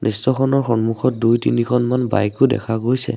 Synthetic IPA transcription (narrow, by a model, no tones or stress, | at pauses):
nistɔxʰɔnɔɹxɔnmuxʰɔt̚dujtinikʰɔnmanba̰jkʊdɛ̰kʰaɡojsɛ̰